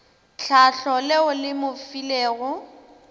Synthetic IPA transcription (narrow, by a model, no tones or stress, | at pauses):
t͡ɬʰaɬɔleʊlɪmʊfileːɣʊ